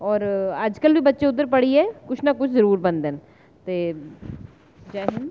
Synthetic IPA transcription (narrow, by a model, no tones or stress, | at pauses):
ɔːɾaːd͡ʒkəlbʱibɐtːʃeʊd̪əɾpɐɽiɦɛːkʊt͡ʃʰnakʊt͡ʃʰzɐɾuːɾbɐ̃nd̪en | t̪eː | d͡ʒaɦɪn